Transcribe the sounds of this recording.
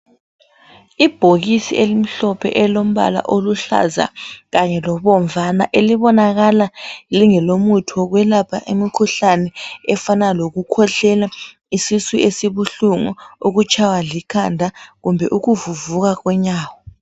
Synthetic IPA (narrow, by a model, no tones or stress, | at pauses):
ib̥ʱoɣisiʔelim̩ɬɔpʰɛ̰ʔɛlom̩βa̰la̰ʔoluɬa̰za̰ɣaɲɛlɔβɔɱvana̰ʔeliβɔnaɣalaliŋɛlomutʰɔɣwɛlapʰaʔemikʰuɬanɛɛfanaloɣukʰɔɬɛla | isisuʔesiβuɬuŋɔ̰uɣut͡ʃʰʼawalikʰandʱaɣumbʱɛʔuɣuvuvuɣaɣwɛɲaːwɔ